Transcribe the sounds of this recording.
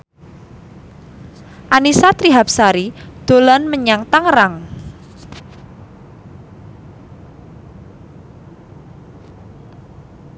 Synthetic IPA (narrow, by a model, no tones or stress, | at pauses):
ʔanisat̪ɾiɦap̚saɾid̪̥o̤lɔnməɲaŋt̪aŋraŋ